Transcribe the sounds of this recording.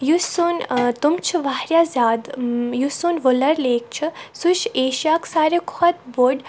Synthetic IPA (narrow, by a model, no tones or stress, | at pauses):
jusunt̪umt͡ʃʰuʋaːɾjaːzʲaːd̪jusunʋolɐɾleːk̚t͡ʃʰɨsuʃeːʃijaːksaːɾekʰɐt̪boɖ